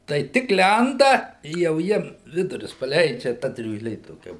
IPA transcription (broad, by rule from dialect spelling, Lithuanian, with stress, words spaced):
tɐɪ ˈtʲɪk ˈlʲɛndɐ ɪ jɛʊ ˈjiɛm ˈʋʲɪdʊrʲʊs pɐˈlʲɛɪd͡ʒʲɛ ˈtɐ dʲrʲuːʒʲˈlʲeː toːˈkʲɛ